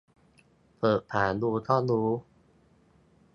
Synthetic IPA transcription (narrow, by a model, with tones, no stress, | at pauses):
pʰɤː˨˩ʔ̚pʰaː˨˩˦nuː˧t̪ʰɔː˥˩nuː˨˦˥